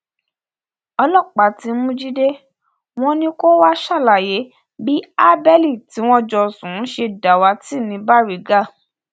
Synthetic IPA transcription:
ɔ˧lɔ˦˨k͡pa˨ti˨˧˦mũ˦d͡ʒi˦de˦ | w̃ɔ̃˦nĩ˧ko˦wa˦ʃa˦˨la˨je˨˦ | bi˦a˦bɛ˦li˦˨ti˨˦w̃ɔ̃˦d͡ʒɔ˧˨sũ˨˦ʃe˧da˨wa˧˦ti˦˨nĩ˧ba˦˨ɾi˨˦ɡa˦˨

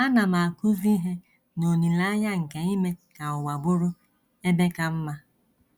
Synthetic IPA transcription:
a˦na˨ma˨ku˦vi˦ɦe˦ | no˨ni˨la˦ɲa˦ŋ̩˨ke˨i˦me˦ka˨ʊ˨wa˨bʊ˦ɾʊ˦ | e˦be˦ka˦m̩˦ma˦

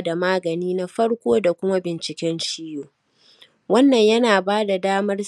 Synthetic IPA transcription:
da˨maː˦ɡɐ˨niː˦na˦ɸɐ˦ɽkʷoː˦da˨kʷʊ˦ma˦bɪ˨nt͡ʃɪ˨kʲɛ˦nʃiː˦joː˨ | wɐ˦nːɐ˨ɲjɐ˦naː˨baː˦da˨daː˦mɐ˦r

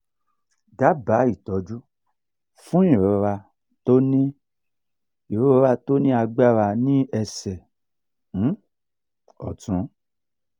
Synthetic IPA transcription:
da˨˦ba˨˦i˦˨tɔ˨˦d͡ʒu˦ | fũ˦i˦˨ɾo˨˧˦ɾa˧ | to˦nĩ˦ | i˨ɾo˨˦ɾa˧to˦nĩ˦a˧ɡ͡ba˦ɾa˧nĩ˦ɛ˧sɛ̃˨˦ | ɔ˨tũ˨˦

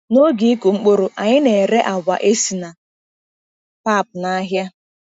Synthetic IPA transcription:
no˦ɡi˨˦ku˨ŋ͡m̩˦k͡po˦ɾo˨ʔa˨ɲɪ˦ne˨ɾe˦ʔa˨bʷa˨ʔe˦si˨na˨ | pa˦˨pʊ˨na˦ɦja˦

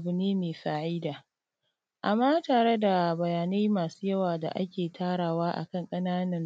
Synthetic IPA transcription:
bʊ˨neː˦meː˨ɸaː˨ʕiː˦daː˨ | ʔa˨mːaː˦taː˨ɽe˦da˨bɐ˨jaː˨ne˦maː˨su̥ː˦jɐ˦waː˨da̰˨ʔa˦kʲeː˨tʰaː˦ɽaː˨waː˦ʔa̰˨kɐ˦˨ŋkʼɐ˦naː˦nɐ˦n

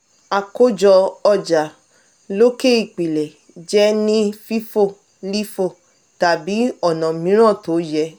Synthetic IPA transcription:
a˨ko˦d͡ʒɔ˧ɔ˧˨d͡ʒa˨ | lo˦ke˦˨i˨k͡pi˨lɛ˨ | d͡ʒɛ˨˦nĩ˦fi˦fo˦˨ | li˦fo˧˨ | ta˨bi˨˦ɔ˦˨nɔ̃˨mĩ˨˦ɾ̃ã˦˨to˨˦jɛ˧˦

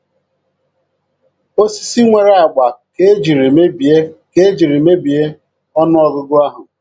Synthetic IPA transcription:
o˦si̥˦si˦ŋʷe˨ɾe˨˦a˨ɡ͡ba˨ke˦d͡ʒi˨ɾe˨me˦bi˨e˦ke˦d͡ʒi˨ɾi˨me˦bi˨e˦ | ɔ˦nʊ˦ɔ˨ɡʊ˦ɡʊ˦a˦ɦʊ˨

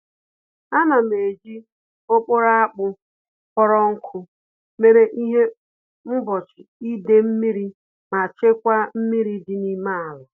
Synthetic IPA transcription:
a˦na˨me˨d͡ʒi˦ | o˦k͡po˦ɾa˦a˦k͡pʊ˦ | kɔ˦ɾɔ˦ŋ̩˦kʷʰʊ˦ | me˨ɾe˨ʔi˦ɦe˦ | m̩˦bɔ˨t͡ʃɪ˨i˦de˦m̩˦mi˦ɾi˦ | ma˨t͡ʃe˦kʷa˦m̩˦mi˦ɾi˦di˦ni˦ma˦a˨la˨

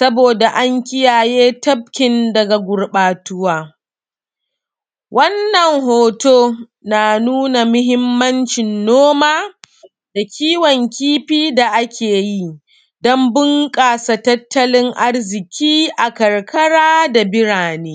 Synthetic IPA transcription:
sɐ˦boː˨da˨ʔa˦ŋkʲɪ˦jaː˨jeː˦tɐ˦b̚kʲɪ˨ndɐ˨ɡa˨ɡʷʊ˨ɽɓaː˨tʊ˦waː˦ | wʔɐ˦nːɐ˨ŋɦoː˨toː˦ | naː˨nuː˦na˨mʊ˦ɦɪ˦mːɐ˦nt͡ʃɪ˨nːoː˦maː˦ | d̥a˨kʲʰiː˦wɔ˨ŋkʲiː˦ɸiː˦da˨ʔa˦kʲeː˨ji˦ | dɔ˦mbʊ˦ŋkʼaː˨sa˨tɐ˦tːɐ˦lɪ˦ŋʔa˦rzɪ˨kʲʰiː˦ʔa˨kɐ˨rkʰɐ˦ɽaː˦da˨bɪ˦ɽaː˨neː˦

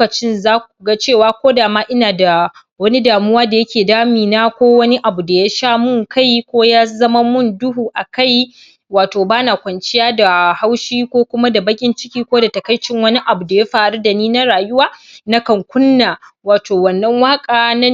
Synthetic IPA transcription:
kɐ˨t͡ʃɪ˦nzaː˦kʷu˨ɡa˦t͡ʃeː˦˨waː˦kʷoː˦daː˨maː˦ʔɪ˦naː˨da˨ | wɐ˦ni˦daː˨mʊ˦waː˦da˨jɐ˦kʲeː˨daː˦miː˨naː˦kʷoː˦wɐ˦ni˦ʔa˨bu˨da˨ja˦ʃaː˦mʊ˦˨ŋkʰa˦jkʷoː˦jaː˦zɐ˦ma˦mʊ˦ndʊ˦ɦuː˨ʔa˨ka˦˨j | waː˨toː˨baː˦na˨kʷɐ˨nt͡ʃɪ˦jaː˦da˨ha˦wʃiː˦kʷoː˦kʷʊ˦ma˦da˨bɐ˦kʲʼɪ˦nt͡ʃɪ̥˦kʲiː˦kʷoː˦da˨tɐ˨kɐ˦jt͡ʃɪ˦ŋwɐ˦ni˦ʔa˨bu˨da˨ja˦ɸaː˨ɽu˦da˨niː˦na˦ɽaː˨jʊ˦waː˦na˦kɐ˨ŋkʷʊ˦nːaː˨waː˨toː˨wɐ˨nːɐ˦ŋwaː˦kʼaː˨nɐ˦

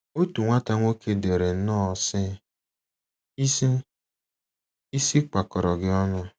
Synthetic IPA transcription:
o˦tu˨ŋʷa˦ta˦ŋʷ˦o˦kʰe˦de˨ɾe˨n̩˦nɔ˦˨sɪ˦˨ | i˦si˦ | i˦si˦k͡pa˨kɔ˨ɾɔ˨ɡɪ˦ɔ˦nʊ˦

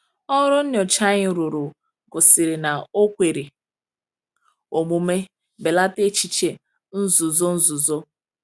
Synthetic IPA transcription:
ɔ˦ɾʊ˦n̩˦n˨ɔ˨t͡ʃa˦ɲɪ˨ɾʊ˨ɾʊ˨ | ɡʊ˨sɪ˨ɾɪ˨na˨o˦kʷe˨ɾi˨ | o˨mu˨me˦ | be˨la˦te˦t͡ʃi˦t͡ʃe˨ | n̩˦zʊ˨zo˦n̩˦zʊ˨zo˦

